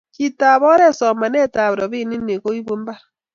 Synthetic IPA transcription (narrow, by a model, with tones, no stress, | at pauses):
ki˨ta˨βɔ˦ɾe˦˨sɔ˨ma˨ne˦˨ta˨βɾɔ˨bi˦˨ni˦e˨ko˦i˦bo˦m̩˦ba˦